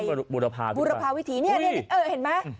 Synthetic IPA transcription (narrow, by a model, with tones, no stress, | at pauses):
j̚bu˨˧˩ɾa˧pʰa̰ː˧buː˧ɾa˧pʰaː˧wi˦˥t̪ʰiː˩˦ni˥˩˥ɐni˥˩˨ʔɤː˧˩he˨˦nma˦˥